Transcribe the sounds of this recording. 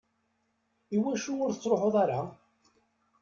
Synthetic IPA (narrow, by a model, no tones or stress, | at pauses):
iwæʃuʊɾθət͡sːɾˤoħoðˤaɾa